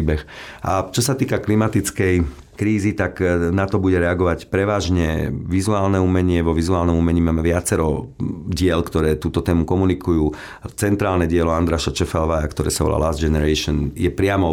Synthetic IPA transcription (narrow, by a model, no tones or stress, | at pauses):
ibɛxʔat͡ʃɔsat̪iːkaklimat̪it͡skɛj | kɾiːzit̪aknat̪ɔbuɟɛɾɛaɡɔʋacpɾɛʋaːʒɲɛʋizuaːlnɛuːmɛɲɪɛʋɔʋizuaːlnɔmumɛɲiːmaːmɛʋɪat͡sɛɾɔɟɪɛlkt̪ɔɾɛːt̪uːt̪ɔt̪ɛːmukɔmunikujuː | t͡sɛnt̪ɾaːlnɛɟɪɛlɔand̪ɾaʃat͡ʃɛfalʋaːjakt̪ɔɾɛ̰ːsaʋɔ̰lʔa̰lazd͡ʒɛnɛɾɛʃɔnjɛpɾɪamɔ